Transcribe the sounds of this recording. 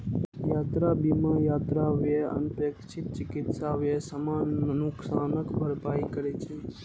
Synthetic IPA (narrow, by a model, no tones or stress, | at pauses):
jaːt̪ɾabimãjaːt̪ɾaʋjeə̰npeːkt͡ʃʰit̪̚t͡ʃɪkɪt̪saʋjesəmaːnːʊksaːnəkbʱəɾpaːikəɾet͡ʃʰe